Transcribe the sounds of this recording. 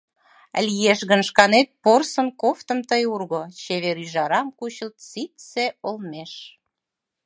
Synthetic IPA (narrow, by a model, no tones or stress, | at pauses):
lʲijeʃɣənʃkɑnet̪̚porsənkoft̪ə̆mt̪əjurɣot͡ɕeβeɾyʒɑɾɑmkuɕəlt̪t͡sit̪seolmeʃ